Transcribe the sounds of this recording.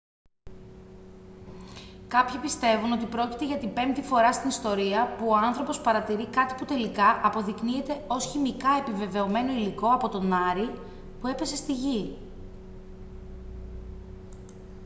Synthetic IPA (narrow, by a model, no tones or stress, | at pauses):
kɐpçipist̪e̞vuno̞t̪ipɾo̞cit̪eʝɐt̪ibe̞mt̪ifo̞ɾɐst̪inist̪o̞ɾiɐpuoɐnθɾopo̞spɐɾɐt̪iɾikɐt̪i̥put̪e̞likɐʔɐpo̞ðiknie̞t̪e̞o̞sçimikɐe̞pive̞ve̞o̞me̞no̞iliko̞ɐpo̞t̪o̞nɐɾi | pue̞pe̞se̞st̪iʝi